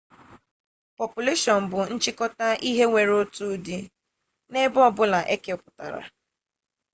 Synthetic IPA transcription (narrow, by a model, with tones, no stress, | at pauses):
pɔ˨pu˨le˦ʃɔ˨n̩˨bʊ˨n̩˦t͡ʃɪ˦kɔ˦ta˦ʔi˦ɦe˦ŋʷe˨ɾo˦tu˦di˦ | ne˦bɔ˦bʊ˦la˨ʔe˦ke˨ʊ˨pʊ̥˨ta˨ɾa̰˨